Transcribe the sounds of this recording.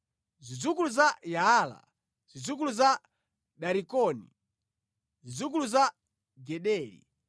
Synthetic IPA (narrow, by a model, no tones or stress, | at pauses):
zid͡zukuluzajaːla̰ | z̥id͡zuk̬uluza | ɗaɾikɔnḭ | zid͡zuk̬uluza | ɡɛɗɛːlḭ